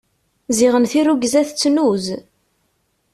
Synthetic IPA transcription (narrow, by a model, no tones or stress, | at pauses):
ziʁənθiruɡzæθt͡sːnuz